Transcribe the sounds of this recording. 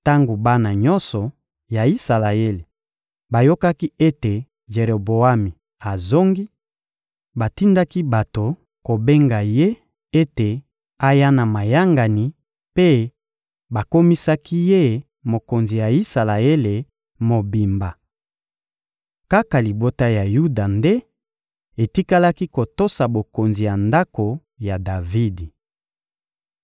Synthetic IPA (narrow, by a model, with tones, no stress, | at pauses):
ta˦ŋɡo˨ba˦na˨ɲɔ˦nsɔ˨ | ja˨i˦sa˨la˨e˦le˨ | ba˨jo˦ka˦ki˦e˦te˨ | ʒe˨ʁo˨bo˨a˦mi˨ | a˨zo˦ŋɡi˦ | ba˨ti˦nda˦ki˦ba˨to˨ | ko˨be˦ŋɡa˨je˦ | e˦te˨ | a˦ja˦na˨ma˨ja˦ŋɡa˨ni˨ | pe˦ | ba˨ko˦mi˦sa˦ki˦je˦ | mo˨ko˨nzi˨ja˨i˦sa˨la˨e˦le˨ | mo˨bi˨mba˨ | ka˦ka˨li˨bo˦ta˦ja˨ju˦da˨nde˦ | e˨ti˦ka˦la˦ki˦ko˨to˦sa˨bo˨ko˨nzi˨ja˨nda˦ko˨ | ja˨da˨vi˦di˨